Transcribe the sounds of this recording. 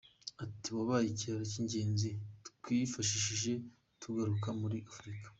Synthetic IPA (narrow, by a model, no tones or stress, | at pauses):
atiβaβajiciaɾaciɲɟe̞ːnzitu̥twifaʃiʃiʒe̞ | tʰuɡaɾukamuɾiʔafɾikḁ